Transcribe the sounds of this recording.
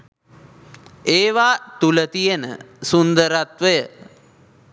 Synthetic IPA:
eːʋaːt̪ulət̪ijənə̰sund̪əɾat̪ʋəjə

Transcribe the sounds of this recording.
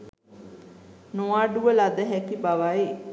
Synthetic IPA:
noaːɖuʋəlad̪əɦɛkibaʋai

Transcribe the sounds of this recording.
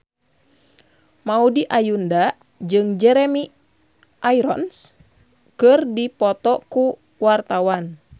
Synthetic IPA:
maudiʔajunda | d͡ʒɨŋd͡ʒɛɾɛmi | ʔaiɾɔ̰ns | kɨrdipɔt̪ɔku | wart̪awan

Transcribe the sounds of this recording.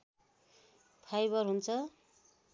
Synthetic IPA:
pʰajbʌrɦunt͡sʰʌ

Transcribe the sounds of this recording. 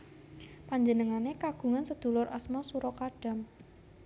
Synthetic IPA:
paɲd͡ʒənəŋanekaɡ̥ṳŋansəd̪̥ṳlʊrʔasmɔsuɾɔkaɖ̥a̤m

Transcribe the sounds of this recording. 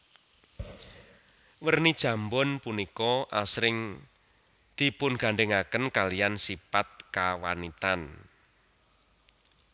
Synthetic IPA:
wərnid̥ʒ̥ä̤mbɔnpunikɔʔasɾɪŋ | d̪̥i̤pʊnɡ̥a̤ɳɖeŋakənkalijansipat̪̚kawanit̪an

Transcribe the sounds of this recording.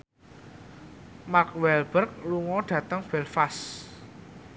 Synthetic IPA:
makwɛlb̥ərk̚luŋɔɖ̥ä̤t̪əŋfɛlfas

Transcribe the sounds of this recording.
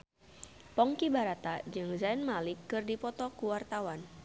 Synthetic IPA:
pɔŋkibaɾat̪ad͡ʒɨŋzanmalɪkːɨrdipɔt̪ɔkuwart̪awan

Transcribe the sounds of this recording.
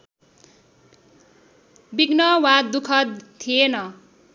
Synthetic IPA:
biɡnʌwad̪ukʰʌt̪ʰienʌ

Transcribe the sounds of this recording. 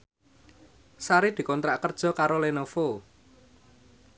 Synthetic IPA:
saɾed̪̥i̤kɔnt̪ɾaʔkərd̥ʒ̥ɔ̤kaɾolenofo

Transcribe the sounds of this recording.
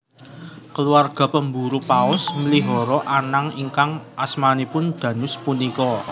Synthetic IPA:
kəluarɡ̥a̤pəmbuɾupaʊsməliɦɔɾɔʔanaŋiŋkaŋʔasmanipʊnd̪̥ä̤nʊspunikɔ

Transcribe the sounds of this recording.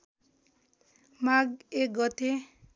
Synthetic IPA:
maɡek̚ɡɔt̪ʰe

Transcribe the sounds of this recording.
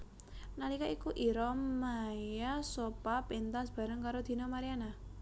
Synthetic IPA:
nalikaikuʔiɾɔmːajasopapint̪ansb̥a̤ɾəŋkaɾod̪̥i̤nɔmaɾiana

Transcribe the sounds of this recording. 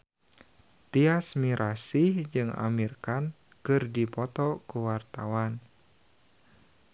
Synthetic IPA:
t̪iasmiɾʔasihd͡ʒɨŋa̰mirkan | kɨrdipɔt̪ɔkuwart̪awan

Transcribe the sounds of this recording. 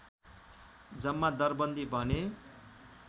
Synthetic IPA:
d͡zʌmːad̪ʌrbʌnd̪ibʱʌne

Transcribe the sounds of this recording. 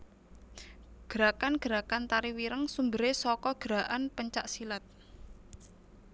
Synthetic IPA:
ɡ̥əɾakanɡ̥əɾa̤kant̪aɾiwiɾəŋsumbə̤ɾesɔkɔɡ̥ɾa̤ʔanpəɲt͡ʃaʔsilat̪̚

